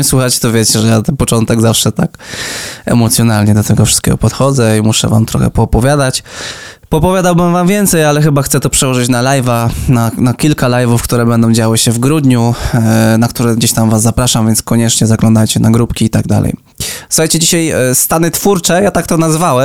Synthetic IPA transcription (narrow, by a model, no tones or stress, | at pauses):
swuxat͡ɕɛ̥t̪ɔvʲjɛt͡ɕɛʐɛjat̪ɛnpɔt͡ʂɔnt̪ɛɡzafʂɛt̪ak | ɛ̰mɔt̪sʲjɔnalɲɛd̪ɔt̪ɛɡɔfʂɨ̥st̪kʲɛ̰ɡɔ̰pɔt̪xɔd̪zɛimuʂɛ̰va̰mt̪ɾɔ̰xɛ̰pɔːpɔvʲjad̪at͡ɕpɔːpɔvjad̪awbɘmvamvʲjɛnt̪sɛjalɛxɘbaxt̪sɛt̪ɔpʂɛwɔʐɨt͡ɕnalajvananakʲilkalajvufkt̪uɾɛbɛnd̪ɔ̃w̃d͡ʑawɘɕɛvɡɾud̪ɲu | nakt̪uɾɛɡd͡ʑeɕt̪amvazːapɾaʂamvʲjɛntskɔɲɛt͡ʂɲɛzaklɔ̃nd̪ajt͡ɕɛnaɡɾupkʲiːt̪aɡ̚d̪a̰lɛ̰j | su̥xajt͡ɕɛd͡ʑiɕajst̪anɘt̪fuɾt͡ʂɛjat̪ak̚t̪ɔnazvawɛ